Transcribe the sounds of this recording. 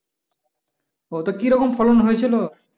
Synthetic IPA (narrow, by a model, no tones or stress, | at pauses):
ot̪okiɾɔkomfʰɔlonɦojet͡ɕʰilo